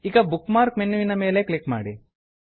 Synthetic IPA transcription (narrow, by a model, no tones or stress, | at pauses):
iɡɐbukmaːɾkmenːuʋinɐmeːleklikma̰ːɽḭ